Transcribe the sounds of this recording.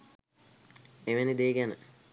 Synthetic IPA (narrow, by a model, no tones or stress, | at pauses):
eʋenid̪eːɡænə̰